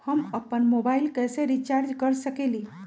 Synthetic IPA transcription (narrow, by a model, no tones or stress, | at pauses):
həməpːənmobailkɛseɾit͡ʃaɾd͡ʒkəɾsəkeli